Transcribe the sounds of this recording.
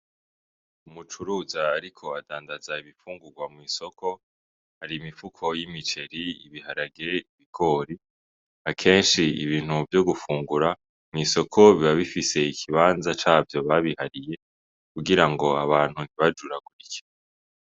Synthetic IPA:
umut͡ʃuɾuːzaːɾikʰo̞adaːndazaiβifuːŋɡuɡwamŋiːso̞kʰo̞ | haɾiːmifukʰo̞jimit͡ʃe̞ɾiḭβihaɾaɡe̞iβiɡ̥o̞ːɾi | akʰe̞ːnʃiḭβiːn̥huvjo̞ɡufuːŋɡuɾa | mŋiːso̞kʰo̞βiβaβifise̞ikʰiβaːnzat͡ʃaːvjo̞βaβihaɾije̞ | kuɡiɾaŋɡo̞aβaːn̥hun̥iβad͡ʒuɾaɡ̥uɾice̥

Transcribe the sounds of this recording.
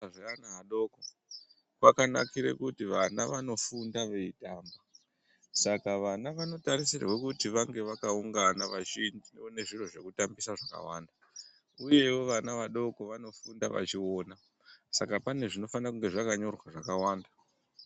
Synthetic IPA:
ʐaanaɦaɗo̞ko | wakana̰kiɾḛkutiʋanaʋano̞fundaʋe̞itaːmba | sakaʋanaʋano̞taɾisirḛwekutiʋaŋɡe̞ʋakauŋɡanaʋaʃind͡ʒineone̞ʐiroʐe̞kutambisaʐaka̰wa̰ːnda | uje̞wo̞ʋanaʋaɗo̞ko̞ʋano̞fundaʋa̰t͡ʃio̞ːna | sakapane̞ʐino̞fanakuŋɡe̞ʐakaɲo̞rwaʐakawaːnda

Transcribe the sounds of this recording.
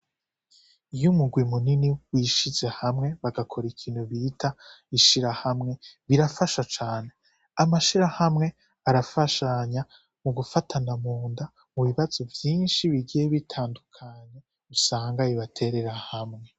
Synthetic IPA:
ijumuɡwimuniniwiʃiz̥e̞hamŋe̞βaɡakʰo̞ɾikʰiːnhuβitʰaiʃiɾahamŋe̞βiɾafaʃat͡ʃaːne̞ | amaʃiɾahamŋe̞ | aɾafaʃaɲa | muɡufatʰanamuːnda | muβiβaz̥o̞vjiːnʃiβiɡijeβitʰaːndukʰaɲe̞ | usaːŋɡaiβatʰe̞ɾe̞ɾahamŋe̞

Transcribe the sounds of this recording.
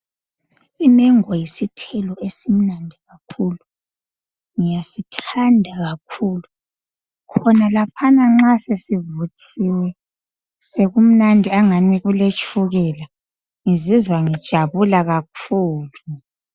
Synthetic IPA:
imɛŋɔjisitʰɛlɔʔesim̩nandʱiɣakʰuːlu | ŋijasitʰandʱaɣakʰuːlu | kʰɔnalapʰanaŋ͡ǁasesivutʰiwɛ | seɣum̩nandʱiaŋaniɣulet͡ʃʼʰuɣɛla | ŋizizwaŋid̥ʒ̥ʱaβulaɣakʰuːlu

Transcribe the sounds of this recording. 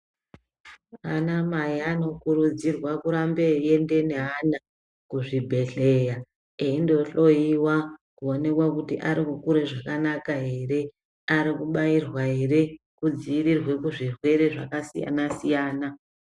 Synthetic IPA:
anamaiano̞kuɾud͡zirwakuɾambe̞je̞nde̞neɦana | kuʐibʱe̞ɬe̞ja | eindo̞ɬo̞iwakuo̞ne̞kwakutiʔaɾikukuɾe̞ʐakanakaɦe̞ːɾe̞ | aɾikuɓairwaɦe̞ɾe̞ | kud͡ziiɾirwe̞kuʐirwe̞ɾe̞ʐa̰kasija̰nasijaːna

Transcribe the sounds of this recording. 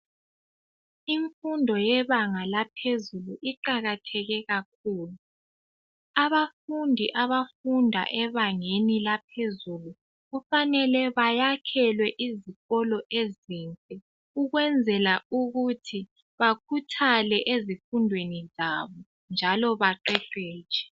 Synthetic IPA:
iɱfundʱɔjɛβaŋalapʰezuluʔiǃaɣatʰɛɣɛɣak̚ʰuːlu | aβafundʱiʔaβafundʱa̰ʔɛβaŋenilapʰezulu | ɣufanɛlɛβajakʰɛlwɛʔiziɣɔlɔʔezinkʼɛ | uɣwɛnd͡zʱɛlauɣutʰi | βakʰutʰalɛʔezifundʱwenizaːβɔ | nd͡ʒʱalɔβaǃɛǃɛ̥ːt͡ʃɛ̥

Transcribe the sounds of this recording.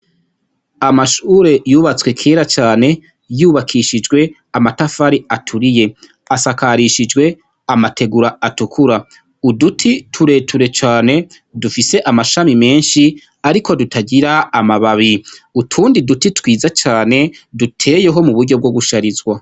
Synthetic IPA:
amaʃuɾe̞juːβat͡swe̞kʰe̞ːɾat͡ʃaːne̞ | juːβakʰiʃid͡ʒɡwe̞ | amatafaɾiatʰuɾije̞ | asakaɾiʃid͡ʒɡwe̞ | amatʰe̞ɡuɾaatukʰuɾa | udutʰitʰuɾe̞ːtʰuɾe̞t͡ʃaːne̞ | dufise̞ʔamaʃamime̞ːnʃi | aɾikʰo̞dutʰaɟiɾaːmaβaβiutʰuːndidutitwiːzat͡ʃaːne̞dutʰe̞ːje̞ɦo̞muβuɾɟo̞b̚ɡo̞ɡuʃaɾizɡwa

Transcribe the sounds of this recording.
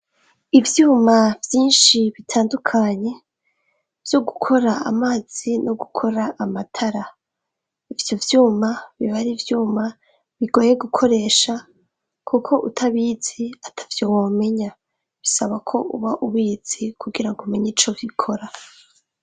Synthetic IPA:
ivjuːmavjiːnʃiβitʰaːndukʰaɲe̞ | v̥jo̞ɡukʰo̞ɾaa̰maːz̥ino̞ɡukʰo̞ɾaʔamatʰaɾa | ivjo̞vjuːmaβiβaɾivjuːma | βiɡoːje̞ɡukʰo̞ɾe̞ːʃa | kʰukʰo̞ʔutʰaβiːz̥iatʰḁvjowoːme̞ɲa | βisaβakʰo̞ʔuβaʔuβiːz̥ikuɡiɾaŋɡomiɲit͡ʃovikʰo̞ɾa

